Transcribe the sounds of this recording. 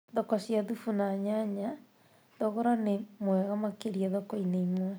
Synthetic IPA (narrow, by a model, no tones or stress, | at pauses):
ðɔkasjaðufunaɲaɲa | ðɔɣɔɾanemwɛɣamakeɾiaðɔkɔineimwɛ